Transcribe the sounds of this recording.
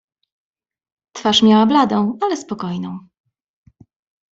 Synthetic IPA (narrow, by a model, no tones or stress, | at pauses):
t̪faʂmʲjawablad̪ɔ̃w̃alɛspɔkɔjnɔ̃w̃